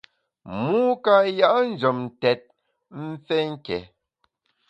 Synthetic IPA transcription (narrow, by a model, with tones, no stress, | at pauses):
muː˦ka˨ja˦ʔn̩˨d͡ʒɔ˨mn˨tɛ˨t̚ | m̩˦fɛ˦ŋ̩˦kɛ̰˨